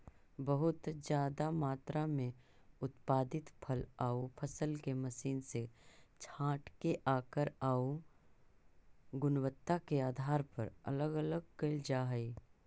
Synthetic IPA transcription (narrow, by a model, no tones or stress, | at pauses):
bɐɦʊt̪d͡ʒjaːd̪amaːt̪ɾamẽ | ʊt̪paːd̪ɪt̪pʰəlaːupʰəsəlkemɐsiːnset͡ʃʰãːʈkeʔaːkəɾaːu | ɡʊnwət̪ːakeaːd̪ʱaːɾpɐ̰ɾɐ̰ləɡələɡ̚keld͡ʒaːɦəiː